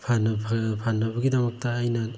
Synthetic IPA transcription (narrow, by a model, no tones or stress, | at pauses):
pʰanɐpʰapʰanːɐbɐɡidɐmɐk̚tɐːjnɐ